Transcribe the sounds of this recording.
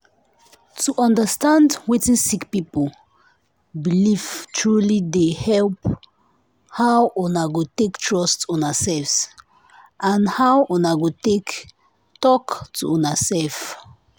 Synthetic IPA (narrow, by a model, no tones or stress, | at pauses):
tuʔɔ̃ndəstãndwitĩsikpipə | bilivtʰɹulidehɛlp | hawʔɔnaɡotektʰɹɔstɔ̃nasɛlfs | ʔãnhawʔɔnaɡotek | tɔktʰuɔ̃nasɛlf